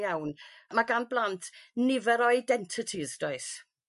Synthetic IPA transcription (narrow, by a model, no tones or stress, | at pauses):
jawnmaɡanblˠantʰnɪvɛɾɔɪdɛntʰɪtʰɪzd̥ɔɨs